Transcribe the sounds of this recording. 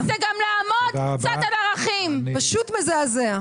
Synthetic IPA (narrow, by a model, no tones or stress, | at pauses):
zeɡamlaːmod̪t͡sad̪adaʁaχimpaʃut̪mezeazea